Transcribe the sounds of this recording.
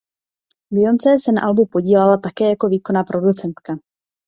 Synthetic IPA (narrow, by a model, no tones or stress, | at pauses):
bɪjo̞nt͡sɛːsɛna̰ʔalbupo̞ɟiːlɛlat̪akɛːjako̞viːko̞napɾʔo̞dut͡sɛnt̪ka